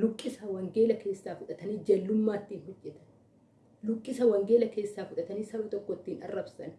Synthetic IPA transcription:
lʊkʼːɪsɐwɐŋɡe̞ːlɐke̞ːsːaːfʊᶑɐt̪ɐnid͡ʒɐlːʊmːaːt̪ːiːnɦɔd͡ʒːɛt̪ɐ̥n | lʊkʼːɪsɐwɐŋɡe̞ːlɐke̞ːsːaːfʊᶑɐt̪ɐniːsɐɾot̪ʼɔkːɔt̪ːiːnɐ̰rːɐbsɐn

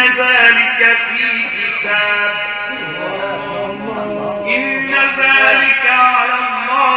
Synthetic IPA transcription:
aðaːlɪkafiɡɪt̪aː | ʔɪnːaðaːlɪkaɾɑːɑ

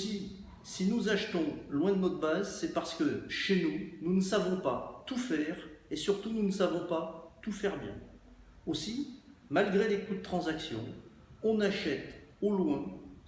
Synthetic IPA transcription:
osi | sinuzaʃt̪ɔ̃lwɛ̃d̪ənɔt̪χbazsɛpaʁsə̥kəʃenununəsavɔ̃pat̪ufɛʁesyʁt̪ununəsavɔ̃pat̪ufɛʁbjɛ̰̃ | osimalɡʁelekud̪ət̪χɑ̃zaksjɔ̰̃ | ɔ̃naʃɛt̪olwɛ̃

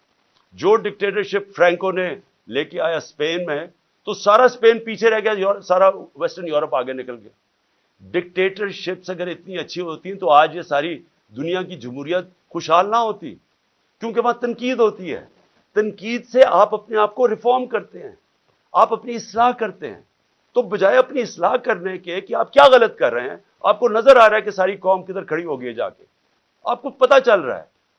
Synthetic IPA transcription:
d͡ʒoːɖɪk̚ʈeːʈəɾʃɪpfɾɛ̃ːŋkone | leːkeaːjaspeːnmẽ | t̪osaːɾaspeːnpiːt͡ʃʰeɾɛɦɡɪjajːsaːɾaʋɛsʈəɾnjuːɾəpaːɡenɪkəlɡɪja̰ː | ɖɪk̚ʈeːʈəɾʃɪpsɐɡəɾɪt̪niɐtːʃʰiɦoːt̪iɦɛ̃t̪oaːd͡ʒjesaːɾi | d̪ʊnijãkid͡ʒɐmɦuːɾijət̪̚ | xʊʃɦaːlnaɦoːt̪ḭ | kjõːk̬eʋɐãt̪ɐnkiːd̪ɦoːt̪iɦɛ̰ː | t̪ɐnkiːd̪seʔaːpɐpneaːp̚koɾɪfɔːɾmkɐɾt̪eɦɛ̰̃ː | aːpɐpniɪslaːɦkɐɾt̪eɦɛ̰̃ː | t̪oːbɐd͡ʒaːeɐpniɪslaːɦkɐɾnekekiaːp̚kjaːɣɐlət̪̚kɐɾːɐɦeɦɛ̰̃ː | a̰ːp̚konɐzəɾaːɾaɛkesaːɾikɔːmked̪əɾkʰɐɽiɦoːɡɐied͡ʒa̰ːkḛ | a̰ːp̚kopɐt̪at͡ʃɐlɾa̰ɦɛ̰ː

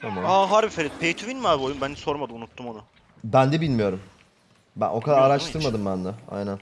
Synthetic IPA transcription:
t̪ʰamaaɦaɾbifeɾit̪pʰejt̪ʰuvinmaːbiojumbænd̪ɛso̞ɾmad̪ɯmunut̪ʰːumona | bænd̪ɛbilʲmijo̞ɾum | bæ̰nʔo̞kʰad̪aɾaɾaʃt̪ʰɯɾmad̪ɯmbænd̪ɛa̰jnæn

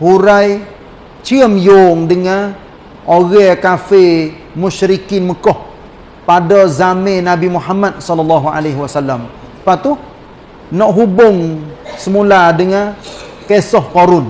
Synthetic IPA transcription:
huɾaj | t͡ʃiəmjoŋdəŋã | oɣɛkafe | muʃɾikinməkɔh | padazamẽnabimuħamat̪̚sɔlɔlːaɦua̰leɦwasalːam | pat̪u | nɔʔɦubʊŋsəmuladəŋa | kesɔhkoɾʊn

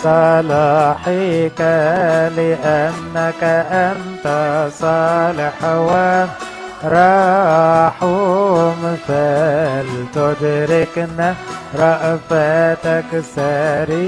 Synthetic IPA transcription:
sˤɑlɑħikalɪʔanːakaʔant̪asˤɑlɪħwa | ɾˤɑ | ħumfælt̪ʊd̪ɾɪknaɾˤɑʔfat̪aksæɾi

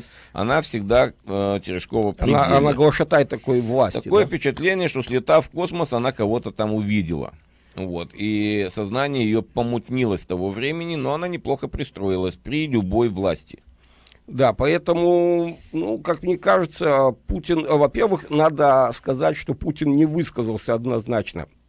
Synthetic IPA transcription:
ɐ̰nafsʲɪɡd̪atʲɪɾʲɪʂko̞vəpnanaɡlˠəʂɐt̪ajɪt̪ːɐkojvlˠasʲt̪ɐtʲɪko̞jəfpʲɪt͡ɕɪt̪lʲenʲɪjəʂt̪osʲlʲɪt̪afko̞sməsɐnakɐvo̞t̪ət̪amʊvʲidʲɪ̰lˠə̰ | vo̞̰t̪isɐznanʲɪjəjɪjo̞pəmʊt̪ʲnʲilˠəsʲt̪ɐvo̞vɾʲemʲɪnʲɪno̞ɐnanʲɪplˠo̞xəpɾʲɪst̪ɾo̞jɪlˠəsʲpɾʲɪlʲʊbo̞jvlˠa̰sʲtʲɪ̥ | d̪apɐɛt̪əmʊnukakmnʲekaʐɨt̪səputʲɪnvɐpʲe̞rvɨxnad̪əskɐzatʲʂt̪o̞putʲɪnnʲɪvɨskəzəlˠsʲəɐd̪nɐznat͡ɕnə̰

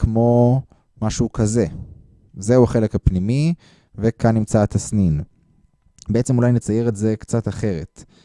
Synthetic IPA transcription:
kʰmo̞ | maʃuukaze̞ | ze̞uaχelekhapnimi | vekanːimt͡sat̪ʰasnin | beet͡semulajnet͡sajeʁetze̞kt͡sataχe̞ʁe̞t

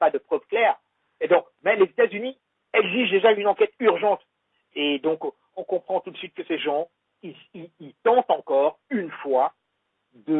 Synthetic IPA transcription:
pad̪əpχœvklɛːʁ | ed̪ɔ̃kmɛlezet̪azyni | ɛɡziʒd̪eʒaynɑ̃kʲɛt̪yʁʒɑ̃t̪ | ed̪ɔ̃k | ɔ̃kɔ̃pχɑ̃t̪ud̪əsɥit̪̚kəseʒɑ̃ | i | iilt̪ɑ̃t̪ɑ̃kɔːʁynfwa | d̪ə

